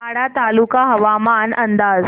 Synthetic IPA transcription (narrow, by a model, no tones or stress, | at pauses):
aɽat̪alukaɦɐʋamanʔənd̪aːz